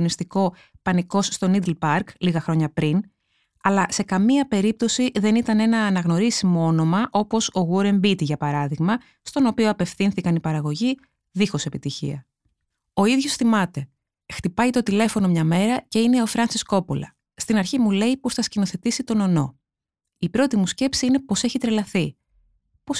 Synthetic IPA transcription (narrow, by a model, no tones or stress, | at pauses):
nist̪iko̞ | pɐniko̞sst̪o̞nid̪lpɐɾɡliɣɐxɾo̞ɲɐpɾin | ɐlɐse̞kɐmiɐpe̞ɾip̚t̪o̞siðe̞nit̪ɐne̞nɐːnɐɣno̞ɾisimoo̞no̞mɐʔo̞po̞so̞ɣuɾe̞mbit̪iʝɐpɐɾɐðiɣmɐ | st̪o̞no̞pioɐpe̞fθinθikɐnipɐɾɐɣo̞ʝi | ðixo̞se̞pit̪içḭɐ | o̞iðʝo̞sθimɐt̪e̞ | xt̪ipɐjt̪o̞t̪ile̞fo̞no̞mɲɐme̞ɾɐce̞ine̞o̞fɾɐnsisko̞polɐ̰ | st̪inɐɾçimule̞iposθɐscino̞θe̞t̪isit̪o̞no̞no̞̰ | ipɾo̞t̪imusce̞psiine̞po̞se̞çit̪ɾe̞lɐθi | po̞s